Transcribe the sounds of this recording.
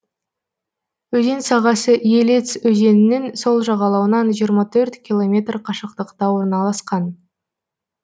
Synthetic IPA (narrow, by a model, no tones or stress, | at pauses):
ɵze̞nsɑʁɑsəʔjelet̪sɵze̞nɪnɪnso̞lˠʒɑʁɑlˠɑwənɑnʒijəɾmɑt̪ʰɵɾt̪kʲilˠo̞mʲe̞t̪rqʰɑʃəq̚t̪əqt̪ɑwo̞ɾnɑlˠɑsqɑn